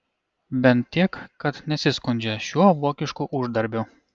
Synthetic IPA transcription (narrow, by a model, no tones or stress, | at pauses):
bʲɛnt̪̚ʲt̪ʲːiɛkkɐt̪nʲɛsʲɪskʊnʲd͡ʒʲɛʃʲuɔʋuɔkʲɪʃkuʔʊʒd̪ɐɾʲbʲʊ